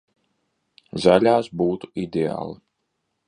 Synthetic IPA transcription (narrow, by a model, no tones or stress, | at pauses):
zalʲaːsbuːt̪u̥id̪ʲea̰ːlˠi